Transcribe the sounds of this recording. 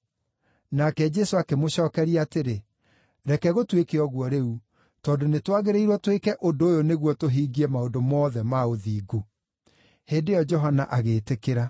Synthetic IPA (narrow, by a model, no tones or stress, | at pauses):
nakɛd͡ʒɛsoakemoɕɔːkɛɾiaateɾe | ɾɛkɛɣotwekeɔɣwɔɾeu | tɔːdonetwaɣeɾeiɾwɔtwekɛʔodoːjoneɣwɔtoɦiːɡiɛmaodomɔːðɛmaoðiːɡo | heːdejɔd͡ʒɔɦanaʔaɣeːtekeɾa